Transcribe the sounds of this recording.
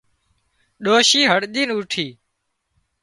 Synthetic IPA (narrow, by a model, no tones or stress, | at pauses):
ɗoːʃiːɦəɽɗ̪iːnuːʈʰiː